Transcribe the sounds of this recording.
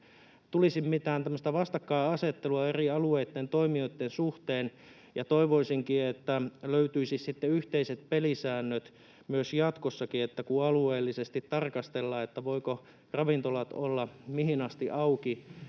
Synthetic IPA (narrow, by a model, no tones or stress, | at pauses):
t̪ulisimmit̪æːnt̪æmːəst̪æʋɑst̪ɑkːɑːɑset̪ːeluɑeriɑlueːt̪ːent̪oimiot̪ːensuht̪eːn | jɑt̪oiʋoisiŋkiet̪ːæløyt̪yisissit̪ːeyht̪eiset̪̚pelisæːnːøt̪ | myøsjɑt̪kosːɑkiet̪ːækuɑlueːlːisest̪it̪ːɑrkɑst̪elːɑːet̪ːæʋoiko | rɑʋint̪olɑt̪olːɑmihinɑst̪iʔɑuki